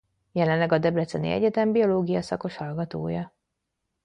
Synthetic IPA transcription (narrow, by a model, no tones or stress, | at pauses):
jɛlɛnlɛɡɒd̪ɛbɾɛt̪sɛnḭɛ̰ɟɛt̪ɛmbio̞loːɡijɒsɒko̞ʃhɒlɡɒt̪o̰ːjɒ